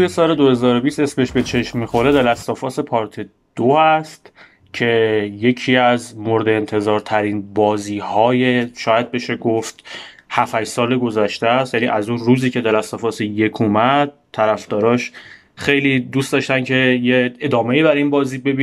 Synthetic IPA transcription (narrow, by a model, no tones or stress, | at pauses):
t̪ujesɒːle̞d̪o̞he̞zɒːɾo̞bist̪esbe̞ʃbet͡ʃʰe̞ʃmmixo̞ɾe̞d̪ælæst̪ɒfɒːse̞pʰɒːɾt̪ʰi | d̪̥oæst̪ | cʰe̞je̞cʰiːæzmoɾed̪eːnt̪ʰe̞zɒːɾt̪ʰæɾinbɒːziːhɒːjeʃɒːjæd̪̚be̞ʃeɡoft̪ | hæfæd͡ʒsɒːleɡo̞zæʃt̪æst̪jænḭːʔæzunruːziːcʰe̞d̪ælæst̪ɒfɒːseje̞kʰumæd̪̚t̪ʰːæɾæfd̪̥ɒːɾɒːʃ | xe̞jliːd̪uːst̪d̪ɒʃt̪æncʰe̞jeed̪ɒːme̞iːbæɾiːnbɒːziːbe̞bi